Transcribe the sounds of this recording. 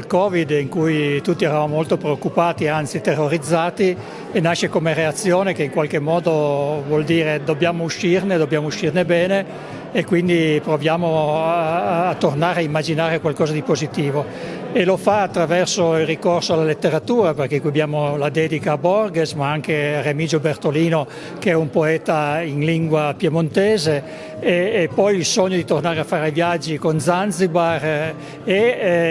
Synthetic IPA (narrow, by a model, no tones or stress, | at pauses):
lkɔːvid̪iŋkujt̪ut̪ːiɛɾavamomolt̪opɾeokːupaːt̪iant̪sit̪erːoɾid̪zːaːt̪i | enaʃːekomereat̪sːjoːnekeiŋkwalk̟emːɔːd̪ovwɔld̪iːɾed̪obːjaːmouʃːirned̪obːjaːmouʃirnebɛːne | ekːwind̪ipɾovjaːmo | t̪ːornaːɾeaimːad͡ʒinaːɾekwalkɔːzad̪ipozit̪iːvo | elofaːt̪ːɾavɛrsoilrikorsoalːalet̪ːeɾat̪uːɾaperk̟ekwiabjaːmolad̪ɛːd̪ikaːbɔrɡesmaaŋkearemid͡ʒobert̪oliːno | keɛumpoɛːt̪ainliŋɡwapjemont̪ɛːze | eːpːɔjilsoɲːod̪it̪ornaːɾeafːaːɾajvjad͡ʒːikond̪zanzibar | e